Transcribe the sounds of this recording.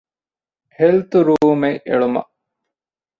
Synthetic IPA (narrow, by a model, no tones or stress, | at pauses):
helt̪uɾuːmeʔḛɭumɐ̰ʔ